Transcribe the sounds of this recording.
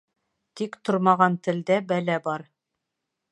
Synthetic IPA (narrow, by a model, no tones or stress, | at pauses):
t̪ikt̪ŏɾmɑʁɑnt̪ɘ̆ld̪æbælæbɑɾ